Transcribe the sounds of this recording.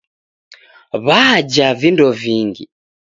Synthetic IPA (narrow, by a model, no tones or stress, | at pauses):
βad͡ʒavindɔviŋɡḭ